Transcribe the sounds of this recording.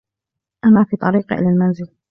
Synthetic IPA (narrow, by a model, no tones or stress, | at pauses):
ʔamaːfiːt̪ˤɑɾiːqʔɪ̰laːlmanzɪl